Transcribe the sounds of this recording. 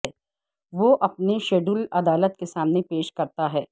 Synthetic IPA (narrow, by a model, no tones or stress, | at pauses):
ɛ | ʋoʔɐpneʃeːɖulɐd̪aːlət̪̚kesaːmnepeːʃkɐɾt̪aɦɛː